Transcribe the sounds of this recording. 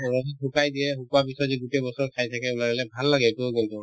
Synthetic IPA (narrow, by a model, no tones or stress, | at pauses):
ɔɹɔiɦukajdiɛɦukuwapisɔtziɡutɛbɔsɔɹkʰajtʰakɛunaɡɛlɛbʱalːaɡɛtʊkintʊ